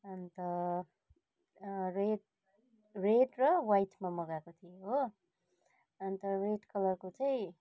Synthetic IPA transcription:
ʌnt̪ʌ | reʈ | reʈrʌwajʈmamʌɡakot̪ʰijeɦo | ʌnt̪ʌreʈkʌlʌrkot͡sʌj̃

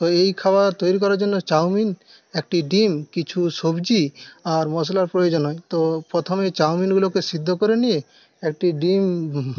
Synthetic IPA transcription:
t̪ɔejkʰabat̪ojɾikɔɾaɾd͡ʒonːot͡ʃawmin | ek̚ʈiɖimkit͡ʃʰusobd͡ʒiaɾmɔs̬ɔlaɾpɾojod͡ʒɔnɔjt̪opɾɔt̪ʰɔmet͡ʃawminɡulokesid̪ʱːɔkoɾenije | ek̚ʈiɖim

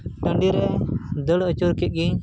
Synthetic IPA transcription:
ʈəɳɖiɾɛd̪əɽət͡ʃuɾkɛt̪̚ˀɡiɲ

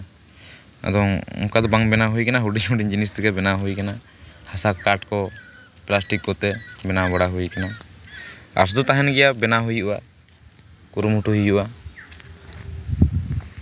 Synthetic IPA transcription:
a̰d̪ɔŋṵŋkad̪ɔbaŋbɛnaɦujkanaɦuɖiɲɦuɖid͡ʒinist̪ɛɡɛbɛnaɦujkana | hasakːaɾʈkɔ | plasʈikːɔt̪ɛbɛnabaɽaɦujkana | a̰ɾsd̪ɔt̪aɦɛnɡɛjabɛnaɦujuʔuʔa̰ | kuɾumhuʈuɦujʔuʔa

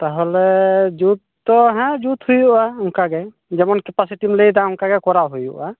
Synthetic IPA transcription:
t̪aɦɔlɛd͡ʒut̪̚ːɔɦɛ̃d͡ʒut̪hujuʔaɦuŋkaɡɛ | d͡ʒɛmɔnkɛpasiʈimləjd̪aɦuŋkaɡɛkɔɾaɦujṵʔa

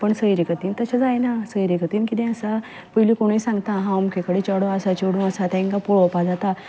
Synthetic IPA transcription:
pəɳsəiɾikət̪iːnt̪əsad͡zaenasəiɾikət̪inkid̪ẽəsa | pəɦilikoɳ̃əisãŋɡt̪aɦãumkekəɽet͡ʃəɽoasat͡ʃoɽũəsat̪aĩŋkapoɭopad͡zat̪a

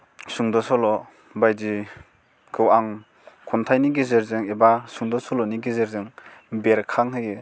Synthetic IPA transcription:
suŋdɔsɔlɔ | bajdi | kʰɯwaŋ | kʰɔntʰajniɡizeɾzɯŋebasuŋdɔsɔlɔniɡizeɾzɯŋbeɾkʰaŋɦɯjɯ

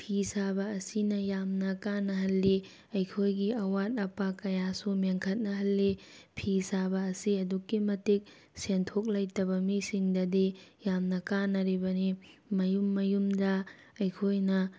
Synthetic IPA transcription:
pʰisabɐːsinɐjamnɐkanɐɦɐlːi | ɐjkʰojɡiɐwat̚ɐpakɐjasumeŋkʰɐt̚nɐɦɐlːipʰisabɐːsiɐdukːimɐtik̚ | sentʰok̚lajtɐbɐmisiŋdɐdijamnɐkanɐɾibɐnimɐjumːɐjumdɐ | ɐjkʰojnɐ

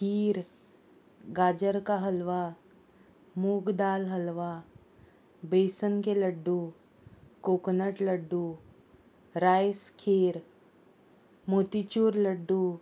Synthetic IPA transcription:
kiːɾ | ɡad͡ʑəɾkaɦəlʋa | muːkd̪aːlɦəlʋa | besənkeləɖːu | koknəʈləɖːu | ɾajskʰeːɾ | mot̪it͡ɕuːɾləɖːu

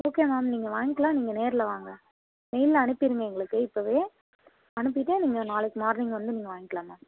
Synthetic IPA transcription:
oːkeːmaːmniːŋɡɐʋaːŋɡɪkːɐlãːniːŋɡɐneːɾɪlɐʋaːŋɡɐ | mɛjllɐɐnɯpːɪɾɯŋɡɐɛŋɡɐɭɯkːɯɪpːoːʋeː | ɐnɯp̬ːɪʈːeniːŋɡɐnaːlɐkːɯmaːɾnɪŋɡʋɐnd̪ɯniːŋɡɐʋaːŋɡɪkːɐɭãːmaːm

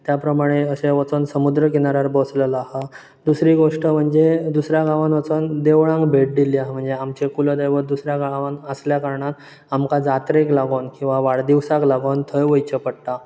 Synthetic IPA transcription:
t̪japɾəmaɽ̃eəseʋət͡sonsəmud̪ɾəkinaɾaɾbəsləlaɦa | d̪usɾiːɡoʂʈəm̤əɳd͡zed̪usɾjaɡaʋanʋət͡sond̪eʋɭãŋɡbʱeʈ̚d̪iliaɦm̤əɳd͡zeamt͡ɕekuləd̪əjʋəɾd̪usɾjaɡaʋanəsljakaɾɳat̪ | amkad͡zat̪ɾeklaɡonkĩw̃ʋaʋaɽd̪iʋsaklaɡont̪ʰəjʋəjt͡ɕəpəɽt̪a

